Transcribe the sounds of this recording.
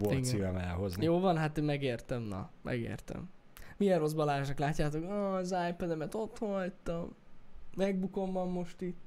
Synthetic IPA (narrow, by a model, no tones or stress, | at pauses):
oiɡ̪sivɛmɛ̰lɦoznjoːvɒnɦat̪emːɛɡeːrt̪ɛmnɒ̰mʔɛ̰ɡḛːrt̪ɛ̰m | mijɛnro̞zbɒlaːʒnɒklaːcːaːt̪okøzajpɛd̪ɛmɛt̪o̞t̪hojt̪ɒmmɛɡ̚buko̞mbɒmːo̞ʃt̪it̪ː